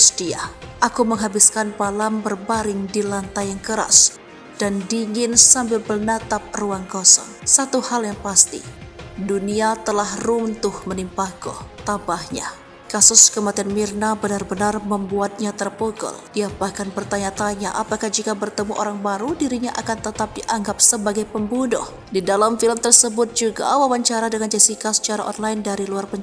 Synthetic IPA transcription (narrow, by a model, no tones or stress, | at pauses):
sdiaʔakuməŋɦabɪskanpalambərbaɾɪŋdilant̪ajaŋkəɾa̰s | d̥andiŋɪnsambɪlbərnat̪ap̚ruaŋkɔsɔ̰nsat̪uhaljaŋpast̪ḭduniat̪əlahrunt̪ʊhmənimpaɡɔ̰t̪abahɲa̰ | kasʊskəmat̪ianmirnabənarbənarməmbuat̪̚ɲat̪ərpoɡɔ̰ldiabakanpərt̪aɲat̪aɲaʔapakahd͡ʒikabərt̪əmuʔoɾaŋbaɾudiɾiɲaʔakant̪ət̪ap̚diʔaŋɡap̚səbaɡajpəmbunʊ̰h | didalamfiləmt̪ərsəbʊt̪̚d͡ʒuɡa̰wawaɲt͡ʃaɾadəŋand͡ʒɛsikasə̥t͡ʃaɾa̰ʔɔnlaɪndaɾiluarpəɲ